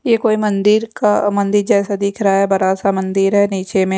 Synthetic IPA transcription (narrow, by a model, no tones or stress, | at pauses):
jekoːimɐ̃nd̪ɪɾkamɐ̃nd̪ɪɾd͡ʒɛːsad̪ɪːkʰɾaɦaɦɛbɐɾasamɐ̃nd̪ɪɾɦɛniːt͡ʃemẽ